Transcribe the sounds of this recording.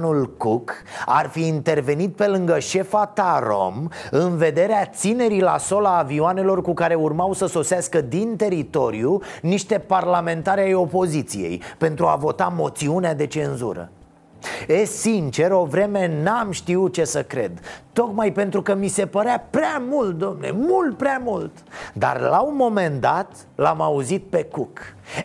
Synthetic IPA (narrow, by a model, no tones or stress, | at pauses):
nulkuka̰rfiːnt̪e̞rve̞nit̪̚pe̞lɨŋɡəʃe̞fat̪aɾo̞̰mɨnve̞d̪e̞ɾeat̪sine̞ɾila̰so̞laːviane̞lo̞rkukaɾe̞urmawsəso̞saskəd̪int̪e̞ɾit̪o̞ɾiuniʃt̪e̞parlame̞nt̪aɾajo̞po̞zit̪sḭjḛjpe̞nt̪ɾua̰vo̞t̪amo̞t̪siunead̪e̞t͡ʃe̞nzṵɾə̰ | esint͡ʃe̞ɾo̞vɾe̞me̞namʃt̪iut͡ʃe̞səkɾe̞̰d̪t̪o̞kmajpe̞nt̪ɾukəmise̞pəɾeapɾeamult̪̚d̪omnḛmult̪̚pɾeamult̪d̪a̰rla̰unmːo̞me̞nd̪at̪ | lamauzit̪̚pe̞kuk